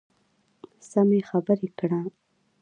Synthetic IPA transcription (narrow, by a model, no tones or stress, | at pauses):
samexabəɾekɽa